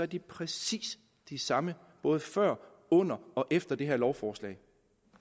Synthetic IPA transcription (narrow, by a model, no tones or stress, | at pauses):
æɐd̥ipʰʁɛsḭːs | d̥isɑ̈mə | b̥ɔ̽ːð̞ˠfɶɐ̰ | ɔ̽n̰ɐɒ̽ʔefd̥ɐd̥e̝ɦeɐlɒʊfɒːslɛ̰ɪ